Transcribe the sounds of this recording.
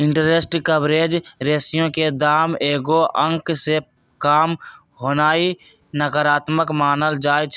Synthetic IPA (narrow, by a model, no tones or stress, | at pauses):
ɪ̃ɳʈəɾesʈkəbɾeːd͡ʒɾeːsijõked̪aːmeːɡoʔə̃ŋkse | kaːm | ɦoːnaːi | nəkəɾaːt̪məkmaːnəld͡ʒaːjt͡ʃ